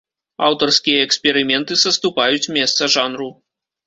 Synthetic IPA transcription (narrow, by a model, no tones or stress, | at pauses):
a̰wt̪ɐrskʲijɐːksʲpʲɛɾɨmʲɛnt̪ɨsɐst̪upajut͡sʲmʲɛst̪sɐʐanru